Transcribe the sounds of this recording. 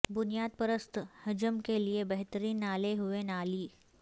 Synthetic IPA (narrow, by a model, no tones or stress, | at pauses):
bʊnijaːd̪̚pəɾəst̪ʰhəd͡ʒəmkeliebəɦt̪əɾiːnaːleɦuʋenaːliː